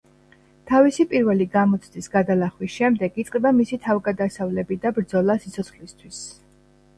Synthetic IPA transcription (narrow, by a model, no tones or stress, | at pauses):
t̪ʰavisipʼiɾvɛliɡamɔt̪sʰd̪isɡad̪alaχwisʃɛmd̪ɛɡit̪sʼɛbamisit̪ʰavɡad̪asavlɛbid̪abɾd̪zɔlˠasit̪sʰɔt̪sχlist̪ʰwis